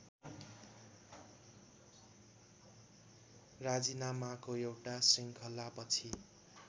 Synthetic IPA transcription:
rad͡zinamakoewʈasiŋkʰʌlapʌt͡sʰi

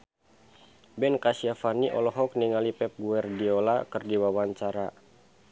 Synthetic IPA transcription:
bɛnkasiafaniʔɔ̰lɔɦɔk̚niŋalipɛp̚ɡuɛrdiolakərdiwawaɲt͡ʃaɾa

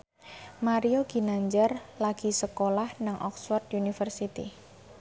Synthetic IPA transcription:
maɾioɡ̥inaɲd͡ʒərlaɡ̥i̤səkolahnaŋʔɔ̰kswɔrt̪unifərsit̪ḭ

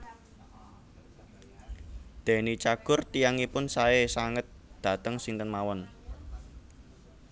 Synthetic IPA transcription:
d̪̥e̤nit͡ʃaɡ̥ʊ̤rt̪ijaŋipʊnsaesaŋət̪̚d̪̥ä̤t̪əŋsɪŋt̪ənmawɔn

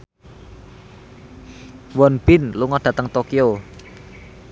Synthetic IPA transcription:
wɔnb̥ɪnluŋɔɖ̥ä̤t̪əŋt̪okio

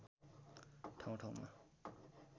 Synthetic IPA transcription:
ʈʰaw̃ʈʰawma̰

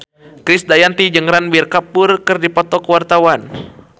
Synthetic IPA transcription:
kɾisdajant̪id͡ʒəŋɾanbirkapʊrkɨrdipɔt̪ɔkəwart̪awan

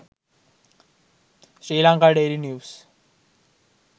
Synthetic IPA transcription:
ɕɾiːlaŋkaːɖeːɾinjuːs

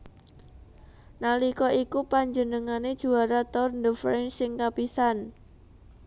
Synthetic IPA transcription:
nalikɔʔikupaɲd͡ʒənəŋaned̥ʒ̥uaɾat̪ɔrnd̪əfɾɛnsɪŋkapisan

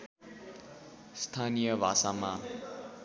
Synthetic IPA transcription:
st̪ʰanijʌbʱa̰sama

